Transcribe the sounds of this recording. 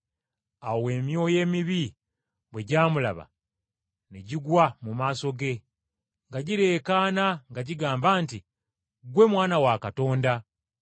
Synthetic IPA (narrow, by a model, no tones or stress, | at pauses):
awowe̞ːmjo̞je̞ːmiβi | βwe̞ɟaːmula̰βa̰ | niɟiɡwamumaːso̞ɡe̞ | ŋɡaɟiɾe̞ːkaːnaŋɡaɟiɡaːmbaːnti | ɡwe̞mwaːnawakato̞ːnda